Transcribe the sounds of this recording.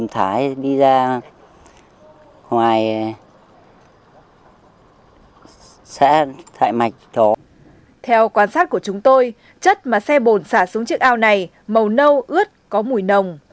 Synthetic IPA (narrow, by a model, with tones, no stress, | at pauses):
mt̪ʰaː˨˦jɗi˧zaː˧ | ŋwaː˨˩j | sɛ̰˧˥t̪ʰa̰ː˧˨jma˨˩jk̚ɗɔ˨˦ | t̪ʰɛ˧wkwaː˧nsaː˦˥t̚ku˧˩ət͡ɕʊ˨˦ŋ͡mt̪o˧j | t͡ɕə˦˥t̚maː˨˩sɛ˧ɓo˨˩nsaː˧˩su˨˦ŋt͡ɕɨ˦˥ək̚ʔaː˧wna˨˩j | mə˨˩wnə˧wʔɨ˦˥ət̚kɔ˨˦mu˨˩jnə˨˩wŋ͡m